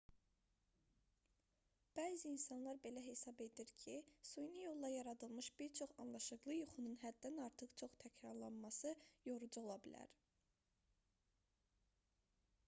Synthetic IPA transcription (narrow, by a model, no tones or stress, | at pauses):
b̥æːziːnsɑnlˠɑɾbe̞læɦe̞sɑbe̞d̪iɾcʰisujnijo̞lˠd̪ɑjɑɾɑd̪ɯlˠmɯʃbiɾt͡ʃʰo̞χɑnlˠɑʃɯɣlˠɯjuχununɦæd̪ːænɑɾt̪ʰɯχt͡ʃʰo̞χt̪ʰæcɾɑɾlˠɑnmɑsɯjo̞ɾud͡ʒuo̞lˠɑbilæ̰ɾ